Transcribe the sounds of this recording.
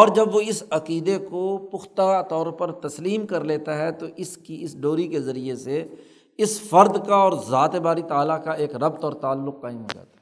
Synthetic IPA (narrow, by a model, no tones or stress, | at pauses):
ɔːɾd͡ʒɐbʋoɪsɐqiːd̪ekopʊxt̪aat̪ɔːɾpɐɾt̪ɐsliːmkɐɾleːt̪aɦɛt̪oʔɪskiɪsɖoːɾikezɐɾiese | ɪsfɐɾd̪kaɔːɾzaːt̪ebaːɾit̪aːlakaeːkɾɐb̚t̪ɔːɾt̪aːlːʊkːaːɪmɦo̰ːd͡ʒa̰ːt̪a